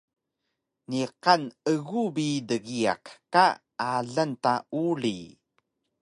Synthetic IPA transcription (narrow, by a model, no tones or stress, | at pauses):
niqanəɣubidəɣia̰kka | aɮəntaʔuɭi